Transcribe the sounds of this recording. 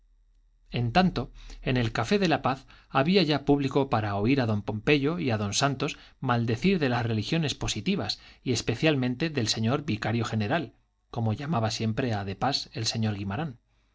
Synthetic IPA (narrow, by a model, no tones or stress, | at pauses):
e̞nt̪ant̪o̞e̞ne̞lkafe̞ðe̞lapaθ | aβiaʝapuβliko̞paɾao̞iɾaðo̞mpo̞mpe̞ʝo̞iaðo̞nsant̪o̞smald̪e̞θiɾðe̞lasre̞lixjo̞ne̞spo̞sit̪iβasie̞spe̞θjalmẽ̞nt̪e̞ðe̞lse̞ɲo̞ɾβikaɾjo̞xe̞ne̞ɾal | ko̞mo̞ʝamaβasje̞mpɾe̞aðe̞pase̞lse̞ɲo̞ɾɣimaɾan